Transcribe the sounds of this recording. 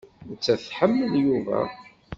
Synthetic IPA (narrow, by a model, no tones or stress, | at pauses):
t͡sːæθħəmːəðjuvæ̰